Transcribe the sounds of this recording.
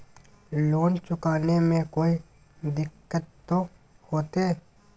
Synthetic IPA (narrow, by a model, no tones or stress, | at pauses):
loːnt͡ʃʊkaːnemẽkoːi | d̪ɪkːət̪ːo | hoːt̪e